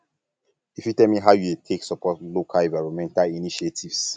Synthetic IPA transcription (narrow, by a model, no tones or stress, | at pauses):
ifjutɛlmiɦaʊjudetʰeksɔpɔtlokʰalɛ̃vaɪɹɔ̃mɛ̃ntaliniʃetʰivs